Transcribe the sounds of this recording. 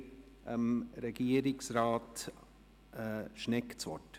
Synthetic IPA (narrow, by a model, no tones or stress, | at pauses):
ʔəmɾɛɡ̥iəɾɪksɾɑːt | ʃnɛkt͡sʋɔ̰t